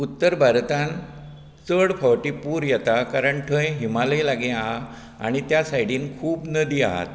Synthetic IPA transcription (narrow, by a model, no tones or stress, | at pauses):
ut̪ːəɾbʱaɾt̪ãn | t͡səɽpʰɔwʈiːpuːɾjɛt̪akaɾəɳʈʰə̃jɦimaləjlaɡẽaɦa | a̰ɽ̃it̪jasajɽ̤iːnkʰuːpnəd̪ʱiːa̰ɦa̰t̪